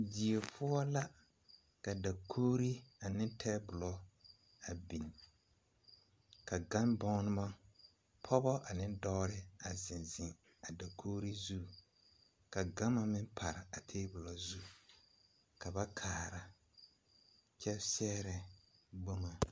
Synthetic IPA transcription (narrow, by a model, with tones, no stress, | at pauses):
di˨e˨pʰʊ˦ɔ˦la˦ | ka˨da˨kʰoː˦ɾi˦a˨nɪ˦ntʰɛ˦bʊ˨lɔ˨ | a˨bi˨n˨ | ka˨ɡa˦nbɔ˦nɨ˦ma˦ | pʰɔ˦bɔ˦ʔa˨nɪ˦ndɔ˦ɾɪ˦a˨zɪ˨nzɪ˨ŋ | a˨da˨kʰoː˦ɾi˦zu˦ | ka˨ɡa˦ma˦mɪ˦npʰa˨ɾɪ˨a˨tʰeː˦bʊ˨lɔ˨zu˦ | ka˨ba˦kʰaː˨ɾa˨ | t͡ʃɛ˦sɛ˦ɾɛ˨ɡ͡bo˦ŋa˨